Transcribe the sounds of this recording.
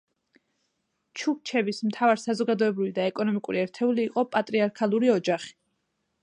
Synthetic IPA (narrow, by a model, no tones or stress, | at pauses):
t͡ʃʰuk̚t͡ʃʰɛbismt̪ʰavaɾsazɔɡad̪ɔɛbɾivid̪aɛkʼɔnɔmikʼuɾiɛɾt̪ʰɛuliːqʼɔpʼat̪ʼɾiaɾkʰalˠuɾiɔd͡ʒaχi̥